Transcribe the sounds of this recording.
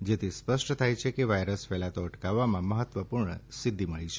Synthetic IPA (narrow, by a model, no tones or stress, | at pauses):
d͡ʒet̪ʰispəʃʈt̪ʰajt͡ʃʰekeʋajɾəsfɛlat̪oəʈkaʋːamãməɦət̪ʋəpuɾɳə̰sid̪ʱːiməɭit͡ʃʰe